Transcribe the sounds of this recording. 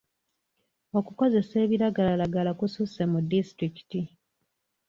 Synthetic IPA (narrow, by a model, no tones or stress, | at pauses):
o̞kuko̞ze̞se̞ːβiɾaɡalalaɡalakususemudːistɾiki̥ti